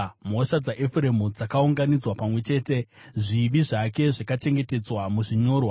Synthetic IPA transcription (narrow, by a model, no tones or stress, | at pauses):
mo̞ʂad͡zaʔefre̞mud͡zakauŋɡanid͡zwapamwe̞t͡ʃe̞ːte̞ʐiʋiʐake̞ʐakat͡ʃe̞ŋɡe̞te̞d͡zwamuʐiɲo̞ːrwa